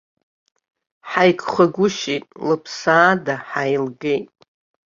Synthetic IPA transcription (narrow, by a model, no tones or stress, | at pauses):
ħajkʷʰʼχaɡʷʊʃitʼlɨpʰsaːdaħajlɡe̞jtʼ